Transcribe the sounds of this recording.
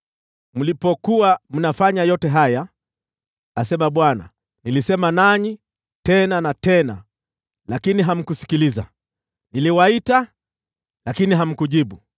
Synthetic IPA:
m̩lipɔkuam̩nafaɲajɔtɛɦaja | asɛmaɓwana̰ | nilisɛmanaɲi | tɛnanatɛna̰ | lakiniɦam̩kusi̥kiliza̰ | niliwaita | lakiniɦam̩kuʄiɓu

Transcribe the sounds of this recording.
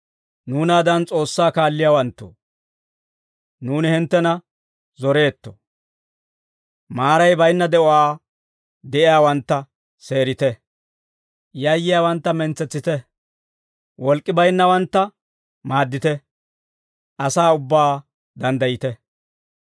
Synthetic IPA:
nuːnaːd̪ɐnt͡sʼo̞ːsːaːkaːlːɪjaːwɐnt̪ːṵ | nuːnɪhɪnt̪ːɛnɐ | zɔɾe̞ːt̪ːɔ̰ | maːɾɐjbɐjnːɐd̪ɛʔɔaː | d̪ɛʔɪjaːwɐnt̪ːɐ | se̞ːɾɪt̪ɛ | jɐjːɪjaːwɐnt̪ːɐmɛnt͡sːɛt͡sːɪt̪ɛ | wʔɔlkʼːɪbɐjnːɐwɐnt̪ːɐ | maːd̪ːɪt̪ɛ | ʔɐsaːʊbːaː | d̪ɐnd̪ɐjɪt̪ɛ

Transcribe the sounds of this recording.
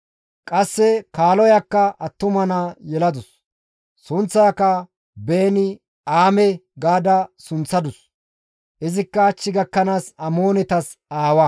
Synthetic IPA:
kʼɐsːɛkaːlɔjɐkːɐʔɐt̪ːʊmɐnɐjɛlɐd̪ʊsː | ʊnt͡sːaːkːɐ | beːnɪ | aːmɛɡaːd̪ɐsʊnt͡sːɐd̪ʊs | ʔɪzɪkːɐːt͡ʃːɪɡɐkːɐnaːsɐmo̞ːnɛt̪ɐs | aːwɐ

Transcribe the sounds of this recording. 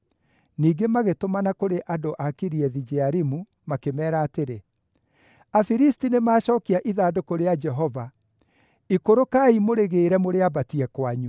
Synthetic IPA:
niːɡemaɣetomanakoɾeʔadoʔakiɾiɛðid͡ʒɛaɾimu | makemɛːɾaːteɾe | afiɾistinemaːɕɔːkiaʔiðaːdokoɾead͡ʒɛɦɔva | ikoɾokaimoɾeɣeːɾɛmoɾeabatiɛkwaɲu

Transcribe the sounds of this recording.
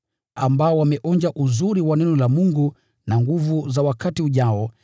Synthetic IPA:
ambaɔwamɛʔɔnd͡ʒaʔuzuɾiwanɛnɔlamuŋɡu | naŋɡuvuzawakatiuʄaɔ

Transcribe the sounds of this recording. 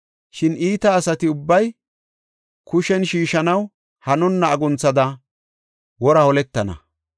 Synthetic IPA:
ʃɪniːt̪ɐːsɐt̪ɪʊbːɐj | kʊʃɛnʃiːʃɐnɐw | hɐnɔnːɐːɡʊnt͡sːɐd̪ɐ | wɔɾɐhɔlɛt̪ːɐnɐ̰

